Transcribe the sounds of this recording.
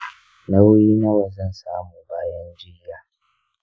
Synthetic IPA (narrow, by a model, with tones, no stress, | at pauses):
na˦wʊ˦jiː˦na˦wa˨zɐ˦˨nsaː˦muː˨baː˦jɐ˦nd͡ʒɪ˦jaː˨˦